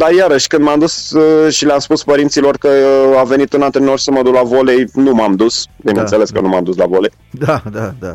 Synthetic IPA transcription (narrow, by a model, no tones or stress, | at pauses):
d̪ajaɾəʃʲkɨnd̪mamd̪usʃileamspuspəɾint̪silo̞rkəave̞nit̪unant̪ɾeno̞rsəməd̪uklavo̞le̞jnumamd̪usbinənt̪sele̞skə̰numa̰md̪usla̰vo̞lej | d̪ad̪ad̪a